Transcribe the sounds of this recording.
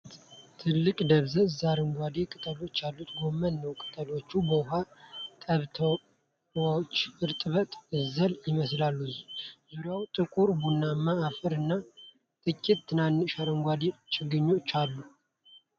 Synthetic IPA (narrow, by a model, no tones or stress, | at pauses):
t̪ʰɨlːɨkʼd̪əβzəzaɾɨŋɡʷad̪ekʼɨt̪ʼəlo̞t͡ʃːalːut̪ɡo̞mːənːəwkʼɨ̥t̪ʼəlo̞t͡ʃːubəɦat̪ʼəβt̪ʰ | wawt͡ʃːɨɾt̪ʼɨβət̪ʼɨzəljɪməslalːuzuɾjawt̪ʼɨkʼuɾbunːamːaːfɨɾɨnːa | t̪ʼɨkʼːit̪t̪ʰːɨnanːɨʃaɾɨŋɡʷad̪et͡ʃʼɪɡɨɲːot͡ʃːalːu